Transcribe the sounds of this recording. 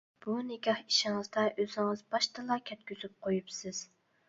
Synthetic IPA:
b̥unɪɡʲɑhi̥ʃɪŋɨzd̪ɑʔøzɪŋɨzbɑʃt̪ʰɑlˠɑkʲʰɛt̪̚kʲyzyp̚qʰojupsɨz̥

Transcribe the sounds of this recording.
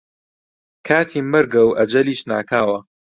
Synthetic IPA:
kʰaːt̪ʰiːmɨɾɡɐwʔɐd͡ʒɐliːʃna̰ːkʰaːwɐ

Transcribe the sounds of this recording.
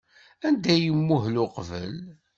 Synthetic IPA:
ænd̪æjəmːʊhlʊqvə̰l

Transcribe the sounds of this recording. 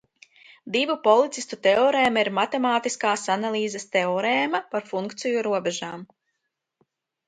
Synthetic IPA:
d̪ivupɔlˠit̪sist̪ut̪eɔɾeːmaiɾmat̪emaːt̪iskaːsanalˠiːzɛst̪eɔɾeːmapaɾfuŋkt̪sijuɾuɔbɛʒaːm

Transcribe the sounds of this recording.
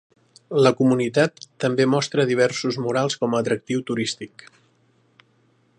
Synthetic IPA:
ləkumunit̪at̪ːəmbemɔst̪ɾəðiβ̞ɛrsuzmuɾalˠskɔməːt̪ɾək̚t̪iwt̪uɾist̪ik

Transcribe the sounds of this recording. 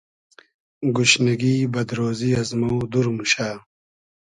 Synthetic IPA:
ɡuɕnɐɡiːbɐd̪ɾoːziɐzmowd̪uɾmuɕaː

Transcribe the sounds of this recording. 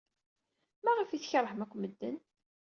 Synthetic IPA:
mæʁəfiθçɾˤːəħəmækʷːməd̪ːə̰n

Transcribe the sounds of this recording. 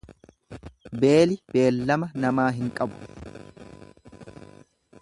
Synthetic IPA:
be̞ːlɪb̥e̞ːlːɐmɐnɐmaːɦɪŋkʼɐbʊ̥

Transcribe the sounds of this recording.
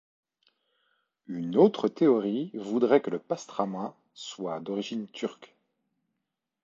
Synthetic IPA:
ynot̪χət̪eɔʁivud̪ʁɛkələpast̪χamwã | swad̪ɔʁiʒint̪ʰyʁk

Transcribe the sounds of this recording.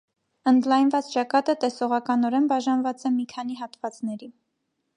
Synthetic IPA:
ənd̪lɑjnvɑt͡st͡ʃɑkɑt̪ət̪ɛsɔʁɑkɑnɔɾɛnbɑʒɑnvɑt͡sɛmikʰɑn̪iɦɑt̪vɑt͡snɛɾi

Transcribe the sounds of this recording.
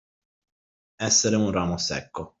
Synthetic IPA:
ɛsːeɾeunraːmosɛ̰kːo

